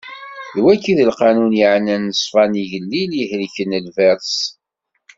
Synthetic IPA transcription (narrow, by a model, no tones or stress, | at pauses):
ðwækːiðəlqɑnunjiʕnænːəsˤfɑniʝəlːiljəhɾiçənːəlvæɾs